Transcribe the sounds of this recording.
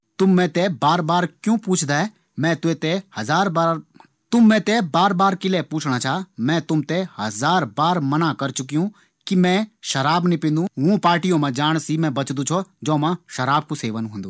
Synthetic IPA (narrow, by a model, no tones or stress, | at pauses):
t̪ʊmːɛ̃t̪ebaːɾbaːɾkjũːpuːt͡ʃʰd̪aːɦɛ | mɛ̃ːt̪ʊet̪ehɐzaːɾbaː | t̪ʊmːɛ̃t̪ebaːɾbaːɾkɪlepuːt͡ʃʰɽat͡ʃʰaːmɛ̃t̪ʊmt̪ehɐzaːɾbaːɾmɐnakɐɾt͡ʃʊkijũ | kimɛ̃ʃɐɾaːbnipɪ̃nd̪ũɦũːpaːɾʈijõmãd͡ʒaːɽ̃simɛ̃bɐt͡ʃd̪ũt͡ʃʰɔd͡ʒɔ̃ːmãʃɐɾaːb̚kuseːʋənɦũːnd̪uː